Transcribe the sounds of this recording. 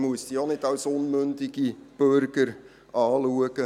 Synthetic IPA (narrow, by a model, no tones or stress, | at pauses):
muəsd̥ionɪtɑlsʊnmʏndɪɡ̥ib̥øɾɡəɾ | ɑːluəɡ̥ə